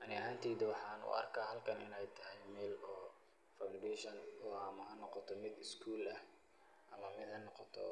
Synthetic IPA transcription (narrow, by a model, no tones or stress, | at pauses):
ʔɐnɪaːnt̪ʰiːd̪ɐwɑħɑːnʊ̰ɐ̰rkʰaːɦɐlkʰɐnɪ̰nɛjt̪ʰɐɦɛjmɛːlɔː | fawɳɖɛːʃɐnɔːamɐɦɐnɔqɔt̪ʰɔmɪd̪ɪskʰuːlɐh | ɐlɐmɪðɐnːɔqɔt̪ʰɔ̰